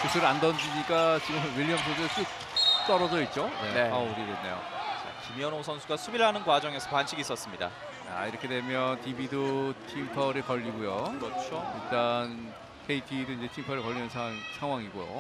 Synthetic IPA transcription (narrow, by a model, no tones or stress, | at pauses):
kusʰuɾɯɭandʌnd͡ʑiɲik͈at͡ɕiɡɯmwiʎːijʌmsʰosʰɯɯɭs͈uk̚ | t͈ʌɾʌd͡ʑʌit̚t͡ɕ͈oeneʌuɾidwenːe̞̰jo̰t͡ɕa̰kimiʌnosʰʌnsʰuɡasʰubiɭɦanɯnkwad͡ʑʌŋe̞sʰʌkwanɕʰiɡis͈ʌs͈ɯmɲida̰ | a̰iɾʌkʰe̞dwe̞mjʌntibidotʰimpʰʌɾɯɭkʌʎːiɡujokɯɾʌt͡ɕʰoiɭt͈an | kʰeitʰidoinɲd͡ʑe̞tʰimpʰʌɾɯɭkʌʎːinɯnsʰaŋsʰaŋɦwaŋiɡojo̰